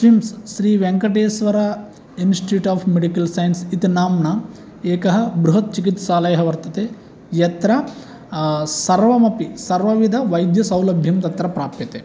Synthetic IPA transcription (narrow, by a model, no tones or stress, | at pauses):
ʃimsːɾiːʋeŋkɐʈeːsʋɐɾɐ | insʈuːʈaːpʰmeɽikɐlsɐjɐnsit̪inaːmnɐ | eːkɐɦɐbɾuɦɐt̪̚t͡ʃikit̪saːlɐjɐɦɐʋɐɾt̪ɐt̪e | jɐt̪ɾɐ | sɐɾʋɐmɐpisɐɾʋɐʋid̪ʱɐʋɐjd̪jɐsɐwlɐbʱjɐmt̪ɐt̪ɾɐpɾaːpjɐt̪e